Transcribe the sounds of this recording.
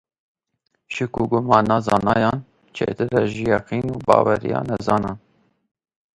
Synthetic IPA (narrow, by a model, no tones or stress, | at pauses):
ʃɪkuɡʊmɑːnɑːzɑːnɑːjɑːn | t͡ʃʰḛːt̪ɨɾɛʒijɑqiːnuːbɑ̰ːwɛɾḭjɑ̰ːnɛzɑːnɑːn